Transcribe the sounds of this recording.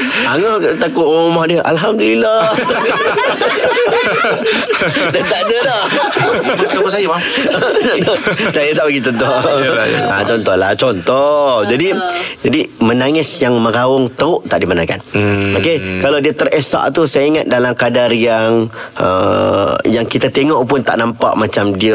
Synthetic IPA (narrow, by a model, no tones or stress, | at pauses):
aŋat̪akʊʔmomahdiəʔalɦamdulila | dant̪adəla | t̪akʊʔsajəpa | sajat̪aʔəɡit̪ɔnt̪ɔ | a̰t͡ʃɔnt̪ɔhlat͡ʃɔnt̪ɔhd͡ʒadid͡ʒadimə̃naŋɪsjaŋmə̃ɡawʊŋt̪əʊʔt̪aʔdimanaka̰nokekalawdiət̪əresa̰ʔt̪usajaiŋat̪̚dalamkadarjaŋə̰ | jaŋkit̪at̪eŋɔʔpʊnt̪a̰ʔnampa̰ʔmat͡ʃamdiə